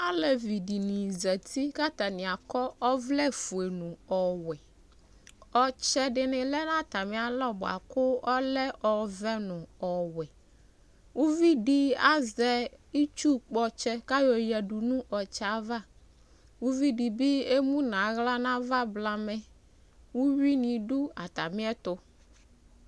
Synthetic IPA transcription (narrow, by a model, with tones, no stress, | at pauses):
a˦lɛ˨vi˨ɖi˨nĩ˨zɛ˨t̪ʰi˦ka˦t̪a˨nɪ̃˨a˨kɔ˦ɔ˦vlɛ˦fu˨e˨nʊ̃˨ɔ˨wɛ˨ | ɔ˨t͡ʃɛ˦ɖɪ˨nɪ̃˨lɛ˦nã˦t̪a˨mɛ̃˨a˨lɔ˦bʊ˨a̰˨kʊ˦ɔ˦lɛ˦ʔɔ˨vɛ˦nʊ̃˨ɔ˨wɛ˨ | wu˦vi˦ɖi˦a˦zɛ˦i˦t͡ʃu˦k͡pɔ˦t͡ʃɛ˦ka˦jo˨jɛ˨ɖu˨nũ˦ʔɔ˨t͡ʃɛ˦a˦va˦˨ | wu˦vi˦ɖi˨bi˦e˦mũ˦nã˨˦ɣla˦nã˦va˦bla˦mɛ̃˨ | wu˦wi˦nĩ˨ɖu˦a˨t̪a˨mĩ˦ɛ˦t̪ʊ˦